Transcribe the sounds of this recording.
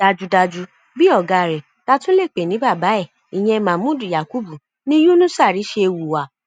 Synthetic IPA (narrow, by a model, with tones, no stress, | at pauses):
da˧d͡ʒu˧da˧d͡ʒu˧ | bi˦ɔ˦˨ɡa˧˨ɾɛ˨ | ta˧tũ˦le˦˨k͡pe˨nĩ˨˦ba˦˨ba˨˦ɛ˦˨ | i˨j̃ɛ̃˧mã˨mũ˦du˨ja˨ku˦bu˨ | nĩ˦ju˦nũ˦sa˦˨ɾi˨˦ʃe˧wu˨wa˨